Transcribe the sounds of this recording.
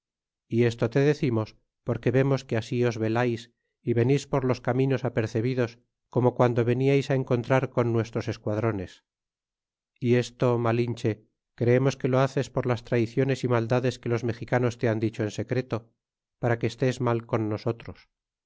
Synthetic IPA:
ie̞st̪ot̪e̞ðe̞θimo̞s | po̞ɾke̞βe̞mo̞skeasio̞zβe̞lajs | iβe̞nispo̞ɾlo̞skamino̞sape̞ɾθe̞β̞iðo̞s | ko̞mo̞kwand̪o̞βe̞niajsae̞ŋko̞nt̪ɾaɾko̞nːwe̞st̪ɾose̞skwaðɾo̞ne̞s | ie̞st̪o̞malint͡ʃe̞ | kɾeemo̞ske̞lo̞aθe̞spo̞ɾlast̪ɾaiθjo̞ne̞simald̪aðe̞ske̞lo̞zme̞xikano̞st̪e̞and̪it͡ʃo̞ense̞kɾe̞t̪o̞ | paɾakeːst̪e̞zmalko̞nːo̞so̞t̪ɾos

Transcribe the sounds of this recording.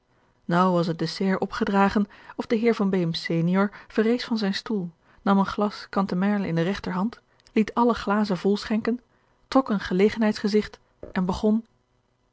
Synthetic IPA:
nʌwʋɑs̬ɦət̚desɛːɹʔɔpχədraːχənɔfdəɦɪːɹvɑnbejmsejnijɔɹv̥ərejsfɑnzɛjnstulˠ | nɑmənχlɑskɑntəmɛɹləɪ̰ndərɛχtəɹɦɑnt | litʰɑləχlaːzənvɔlˠsχɛŋkən | trɔkənχəlejχənɦɛjtsχəzɪχt | ɛnbəχɔn

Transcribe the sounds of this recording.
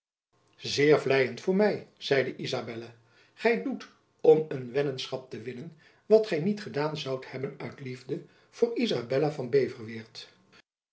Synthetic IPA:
zɪːɹvlɛjəntfʊːɹmɛjz̥ɛjdəʔizabɛla | χɛjdut | ɔmənʋɛnənsχɑp̚təʋɪnən | ʋɑtχɛjnitχədaːnzɑwthɛbənœɥtlivdə | v̥ʊːɹizabɛlavɑnbejvəɹʋɪːɹt

